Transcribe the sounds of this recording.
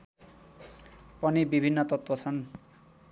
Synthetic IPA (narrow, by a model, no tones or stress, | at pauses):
pʌnibibʱinːʌt̪ʌt̪wʌt͡sʰʌn